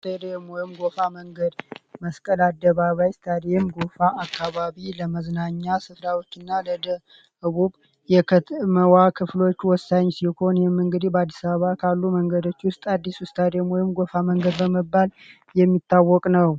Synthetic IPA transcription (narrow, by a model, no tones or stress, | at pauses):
st̪ʰad̪ejmɔjmɡofaməŋɡəd̪məskʼəlad̪ːəβaβajst̪ʰad̪ejmɡofaʔːkʰːaβaβiləməznaɲːasɨfɾawot͡ʃːɨnːaləd̪ə | hɨβuβ | jɛkʰət̪məwakʰɨflo̞t͡ʃːwɔsaɲsiho̞njɛmːɨŋɡɨd̪ibəad̪ːisaβəβakʰalːuməŋɡəd̪o̞t͡ʃːwʊst̪ʼad̪ːisust̪ʰad̪emojɪmɡo̞faməŋɡəd̪bəməbːal | jɛmːit̪ʰːawːɔkʼnəw